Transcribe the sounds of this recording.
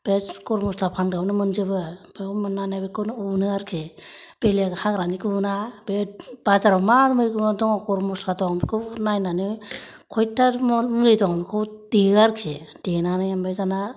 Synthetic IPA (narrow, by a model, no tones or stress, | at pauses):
b̥ekɔɾmɔstapʰanɡawnɯmɯnd͡ʒɯbɯbemɯnːanabekʰɯwnunɯaɾkʰeb̥eleɡhaɡɾanikʰɯunabeb̥azaɾawmaɾmɯkmɔdɔŋɔkɔɾmɔsatɔŋkʰɯnajnanɯ | kʰɔjtʰamɔmulɯjdɔŋkʰɯwd̥iaɾkʰedenanajambezana